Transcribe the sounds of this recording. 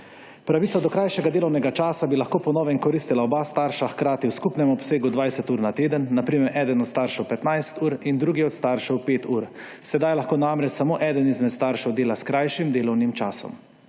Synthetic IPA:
pɾaʋiːsɔd̪ɔkɾajʃɛɡad̪eːlɔwnɛɡat͡ʃaːsabilaxkoːpɔnɔːʋɛŋkɔɾiːst̪ilaɔbaːst̪aːɾʃaxkɾaːt̪iwskupnɛmɔpseːɡud̪ʋajsɛt̪uːɾnat̪eːd̪ənːapɾiːmɛɾʔɛːd̪ənɔt̪st̪aːɾʃɛwpɛt̪najst̪uːɾind̪ɾuːɡiɔt̪st̪aːɾʃɛwpeːt̪uːɾ | sɛd̪ajlaxkoːnamɾɛt͡ʃsamoːʔɛːd̪ənizmɛt̪st̪aɾʃɛwd̪eːlaskɾajʃimd̪eːlɔwnimt͡ʃaːsɔ̰m

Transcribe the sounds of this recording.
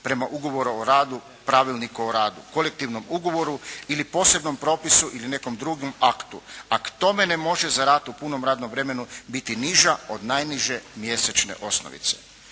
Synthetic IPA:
pɾe̞maʔuɡo̞ʋo̞ɾuoɾaːd̪u | pɾaʋilˠnikuoɾaːd̪ṵko̞le̞k̚t̪iʋno̞muɡo̞ʋo̞ɾuilipo̞ːse̞bno̞mpɾo̞ːpisuʔiline̞ko̞md̪ɾuɡomakt̪uakt̪o̞me̞nemo̞ʒe̞zaɾaːt̪upuno̞mɾaːd̪nomʋɾe̞me̞nubit̪iniʒao̞d̪najniʒe̞mje̞set͡ʃne̞̰ʔo̞sno̰ʋḭt̪se̥̰

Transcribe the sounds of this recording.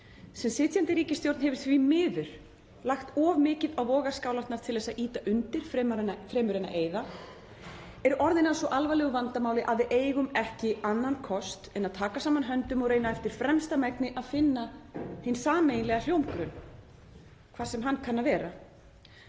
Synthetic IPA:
sɛmsɪːt̪ʰjant̪ɪɾiːcɪst̪jowɾt̪nhɛvɪ̥θvimɪːðʏɾ̥ | laxt̪ɔvmɪːcɪðawvɔːɣḁskaːwlḁt̪naɾ̥t̪ʰɪlɛːsaʔiːt̪aʔʏnt̪ɪɾ̥fmnfɾeːmʏɾejna̰ʔeːjða | ɛɾɔɾðɪnansɔʔalvalɛːɣʏvant̪amaːwlɪʔaðɪʔeːjɣʏmɛhcɪanːankʰɔst̪ɛnaðt̪ʰaːkasaːmanɦœnt̪ʏmɔɣreːjnaɛft̪ɪɾ̥fɾɛmst̪amɛknɪʔaðfɪnːahensaːmejnlɛɣal̥jowmkɾʏn | kʰvaːðsɛmɦanːkʰanːavɛːɾa

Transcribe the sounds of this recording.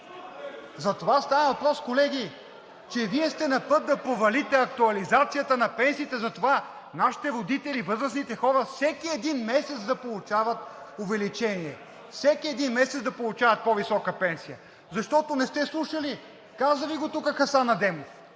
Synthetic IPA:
zɐt̪ovast̪avəvɐpɾɔskolɛɡʲi | t͡ʃɛviɛst̪ɛnɐpɤt̪̚d̪ɐpovɐlit̪ɛɐk̚t̪uɐlizat̪sijət̪ənɐpɛnsiːt̪ɛzɐt̪ova | naʃi̥t̪ɛvod̪it̪ɛlivɤzɾəsnit̪ɛxɔɾəfsɛkiɛd̪inmɛsɛt̪d̪ɐpolˠut͡ʃavət̪ | ovɛlit͡ʃɛniɛ | fsɛkiɛd̪inmɛsɛt̪d̪ɐpolˠʊt͡ʃavɐt̪̚povisɔkəpɛnsijə | zɐʃt̪ɔt̪onɛst̪ɛslˠuʃəli | kazəviɡot̪ukəxɐsanɐd̪ɛmof

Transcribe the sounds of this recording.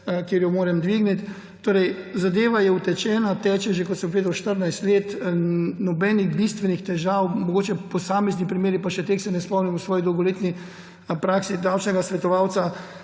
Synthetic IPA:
kjeːɾjɔmoːɾɛmd̪ʋiɡnit̪ | t̪oːɾɛjzad̪eːʋajɛut̪ɛt͡ʃɛːnat̪ɛːt͡ʃɛʒekɔt̪səmpʋeːd̪awʃt̪əɾnajst̪leːt̪nɔbɛːniɣbist̪ʋɛnixt̪ɛʒawmɔɡoːt͡ʃɛpɔsaːmɛznipɾimeːɾipaʃɛt̪eːksɛnɛspɔmnimusʋɔːjid̪ɔwɡɔleːt̪ni | pɾaːksid̪awt͡ʃnɛɡasʋɛt̪ɔʋaːw̪sa

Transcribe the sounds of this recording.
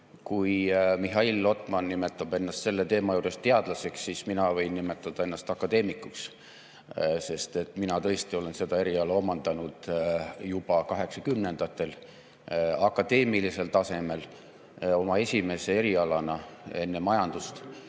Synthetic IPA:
kujmiɦɑilːo̞t̪ˑmɑnːime̞t̪ːˑɑb̥e̞nːɑst̪se̞lːe̞t̪e̞ːmɑjuːɾe̞st̪e̞ɑd̪̥lɑse̞kssisminɑvɤ̞jnːime̞t̪ːˑɑd̪̥ɑe̞nːɑst̪ɑkːˑɑd̪e̞ːmikːˑuks | se̞st̪e̞t̪ːˑminɑt̪ɤest̪io̞le̞nse̞d̪̥ɑe̞ɾiɑlɑo̞mɑnd̪̥ɑnud̪̥jub̥ɑkɑɦe̞ksɑkymne̞nd̪̥ɑt̪ːˑe̞l | ɑkːˑɑd̪̥e̞ːmilise̞lt̪ɑse̞me̞l | o̞mɑe̞sʲime̞se̞e̞ɾiɑlɑnɑe̞nːe̞mɑjɑnd̪̥ust̪

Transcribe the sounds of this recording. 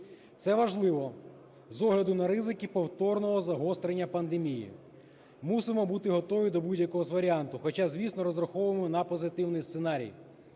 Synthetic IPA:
t̪sɛʋɐʒlˠɪʋɔ | zɔɦlʲɐd̪ʊnɐɾɪzɪkipɔwt̪ɔrnɔɦɔzɐɦɔst̪ɾenʲːɐpɐnd̪emʲijḭ | musɪmɔbut̪ɪɦɔt̪ɔʋʲid̪ɔbudʲjɐkɔɦɔzʋɐɾʲiant̪ʊxɔt͡ʃazʲʋʲisnɔɾɔzɾɐxɔʋʊemɔnɐpɔzɪt̪ɪwnɪjst̪senɑɾʲḭj

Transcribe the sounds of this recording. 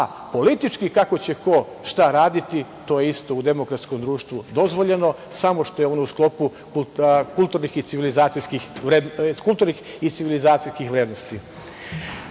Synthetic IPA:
a | po̞lit̪it͡ʃkikako̞t͡ɕe̞ko̞ | ʃt̪aɾaːd̪it̪it̪o̞jeist̪o̞ud̪e̞mo̞kɾat̪sko̞md̪ɾuːʃt̪ʋud̪o̞zʋo̞ʎe̞no̞ | samoʃt̪o̞jeo̞nousklˠo̞pu | kulkulˠt̪uɾnixit̪siʋilizaːt̪siskixɾed̪kulˠt̪uɾnix | it̪siʋilizaːt̪sijskixʋɾed̪nost̪i

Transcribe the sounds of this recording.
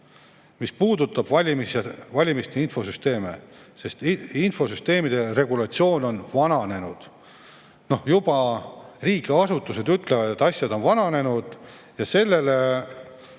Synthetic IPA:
mispuːd̪ut̪ːˑɑb̥vɑlʲimisevɑlʲimist̪e̞info̞syst̪e̞ːme̞̰se̞st̪info̞syst̪e̞ːmid̪̥e̞re̞ɡulɑt̪sio̞ːno̞nvɑnɑne̞nud̪̥ | no̞hjub̥ɑriːkeɑsut̪ːˑuse̞d̪yt̪ˑle̞vɑd̪̥e̞t̪ːˑɑsʲjɑd̪o̞nvɑnɑne̞nud̪̥ | jɑse̞lːe̞le

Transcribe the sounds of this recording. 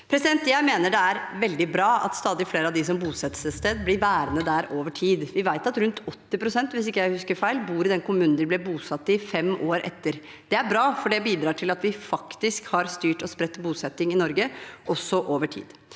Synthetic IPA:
pʰɾɛsɪd̪ɛnt̪jæɪmeːnəɖɛæɾʋɛld̪ɪbɾɑːʔɑ̰t̪st̪ɑːd̪ɪfleːɾəɑʋd̪ɪs̬ɔmbuːsɛt̪səst̪eːd̪blɪɾʋæːɾənəd̪æɾoːʋəʈʰiːd̪ʋɪʋæɪt̪ɑt̪ɾʉnt̪ʰɔt̪ːɪpɾʊsɛnt̪ʋɪsɪkːjæɪhʉskəɾfæɪlbuːɾɪd̪ɛnkʊmʉːnn̩ɪblɛbuːsɑt̪ːɪfɛmʔoːɾʔɛ̰t̪ːəɾ | d̪̥ɛæɾbɾɑːfɔɖɛbiːd̪ɾɑːʈʰɪlɑt̪ʋɪfɑkt̪ɪskhɑɾst̪yːʈɔspɾɛt̪ːbuːsɛt̪ːɪŋɪnɔɾɡəʔɔsːɔʔoːʋəʈʰḭːd̪

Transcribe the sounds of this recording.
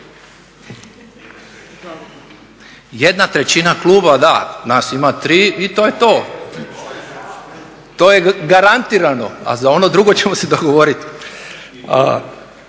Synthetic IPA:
jed̪nat̪ɾe̞t͡ɕinaklˠuːbad̪anaːsimat̪ɾiːit̪ojet̪oː | t̪o̞ːjeɡaɾant̪iːɾano̞a̰zao̞no̞d̪ɾuɡo̞t͡ɕe̞mosed̪o̞ɡoʋo̞ɾit̪ | a̰

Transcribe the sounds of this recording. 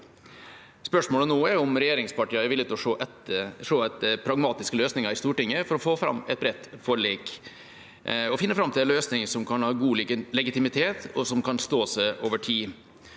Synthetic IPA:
spœʂmoːlənoːɛʊmɾɛjeːɾɪŋspɑʈiːəɾɛɾʋɪlɪt̪ɔoʔɛ | ʂoːɛt̪̚əpʰɾɑɡmɑːt̪ɪskəløːsnɪŋɑɾɪst̪uːʈɪŋːəfɔɾɔfoːfɾɑ̰mːɛ̰t̪̚bɾɛt̪ːfɔɭeːk | ɔfɪnːəfɾɑmt̪ʰɪlɛløːsnɪŋsɔmkʰɑnhɑːɡuːlɪɡənlɛɡɪt̪ɪmɪt̪ʰeːt̪ʰɔsɔmkʰɑnst̪oːsɛʔoːʋəʈʰiː

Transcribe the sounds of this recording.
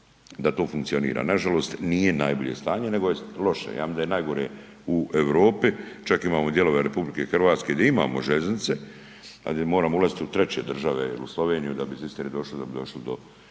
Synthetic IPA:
d̪at̪o̞ːfuŋkt̪sio̞nḭːɾa̰ːnaʒalo̞ːst̪nije̞najboʎe̞̰st̪aːɲene̞ɡojelo̞ʃḛja̰ːmimnd̪ajenajɡo̞ɾe | uʔeʋɾo̞ːpit͡ʃakimaːmod̪je̞lo̞ʋeɾe̞publike̞xr̩ʋaːt̪skeɡd̪jeima̰ːmoʒeʎeznɪt̪se̞ | a̰d̪emo̞ːɾaːmoulazit̪iut̪ɾet͡ɕe̞d̪r̩ʒaʋe̞ḭluslˠo̞ʋe̞ːnijud̪abisist̪eɾid̪o̞ʃlid̪abid̪o̞ʃlid̪o̞̰

